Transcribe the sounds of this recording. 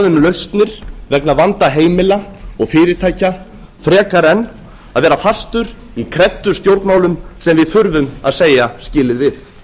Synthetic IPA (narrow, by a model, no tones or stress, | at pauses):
ðʏmlœɥst̪nɪɾ̥vɛknavant̪aɦeːjmɪlaɔɣfɪːɾɪɾt̪ʰaːjca | fɾɛːkaɾɛnː | aðvɛːɾafast̪ʏɾ | ikʰɾɛt̪ːʏst̪jowɾt̪nmaːwlʏmsɛmvɪðfʏɾvʏma̰ðseːjascɪːlɪðvɪθ